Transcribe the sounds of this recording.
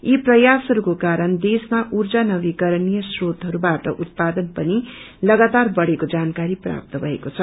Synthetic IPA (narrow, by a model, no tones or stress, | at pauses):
iprʌjasɦʌɾukokaɾʌnd̪esmaʔurd͡zanʌbikʌɾnijʌsrot̪ɦʌɾubaʈʌʔut̪̚pad̪ʌnpʌni | lʌɡat̪arbʌɽekod͡zankaɾipra̰p̚t̪ʌbʱʌekot͡sʰʌ